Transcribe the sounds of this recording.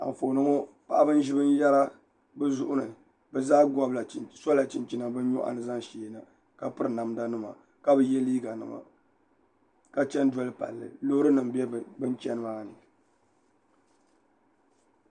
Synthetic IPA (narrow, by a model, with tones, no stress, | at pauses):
a̰˨ɱ˨fo˨nɨ˦ŋo˦ | pa˨ʔa˦bɨ˦n˦ʒɪ˦bɨ˦n˦jɛ˦la˦ | bɨ˦zʊ˦ʔʊ˦nɨ˨ | bɛ˨zaː˦ɡɔ˦bla˨sa˦la˨t͡ʃi˨nt͡ʃi˦na˨bɨ˦n˦ɲɔ˦ʔa̰˨nɨ˨za˦ŋʃiː˨na˨ | ka˨pɨ˦ɾɨ˨na˨m˦da˦nɨ˦ma̰˨ | ka˦bɨ˨jɛ˦liː˦ɡa˨nɨ̰˨ma̰˨ | ka˨t͡ʃɛ˦n˦dɔ˦lɨ˦pa̰˨lːɨ̰˨lo˦ɾɨ˦nɨ˨mbɛ˦˨bɨ˦nt͡ʃɛ˦nɨ˦maː˦nɨ˨